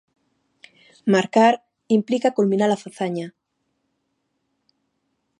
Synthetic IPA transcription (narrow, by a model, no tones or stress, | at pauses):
maɾkaɾ | implikakulmĩnaɾlafaθaɲa